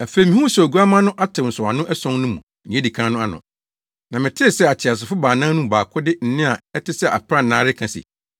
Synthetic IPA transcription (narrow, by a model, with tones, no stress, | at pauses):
æ˨fe˨i˨mɪ̃˦ũ˦sɡu˦a˦mã˦nʊ̃˦ʔa˦tʰɪ˨n̩˨sʊ˨a˨nʊ̃˦ʔɛ˦sɔ̃˦ŋnʊ̃˦mũ˨ | nɪ̃˨˦e˦di˨kʰã˦nʊ̃˦a˦nʊ̰̃˨ | nã˨mɪ̃˨tʰɪ˦˨sɛ˦a˨tʰɪ˨a˨s̬ɪ˨fʊ˦baː˨nãː˦nũ˦˨baː˨kʰʊ˦dɪ˦n̩˨nɪ̃˦a˨ɛ˦tʰɪ˦sɛ˦ʔa̰˨pʰɾa˦n̩˨nãː˦ɾɪ˦kʰã˨sḭ˨